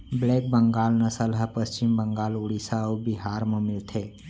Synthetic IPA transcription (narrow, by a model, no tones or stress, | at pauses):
blek̚bəŋɡalnəsəlɦapəst͡ʃimbəŋɡaːluɽisawbiɦaɾməmilt̪ʰe